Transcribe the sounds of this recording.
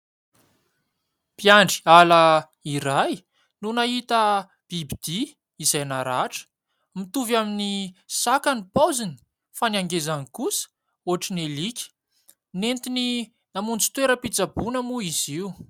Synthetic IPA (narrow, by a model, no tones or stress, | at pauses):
pjaɳɖ͡ʐiala | iɾaj | nunaɦit̪ə | b̥ibid̪̥iː | zajnaɾaʈ͡ʂə̥ | mit̪uvaminisakanipozini̥ | faniaŋɡezanikusə̥ | oɦaʈ͡ʂinelikʲə̥ | nent̪ini | namunt͡si̥t̪weɾəpit͡sabunəmuiziu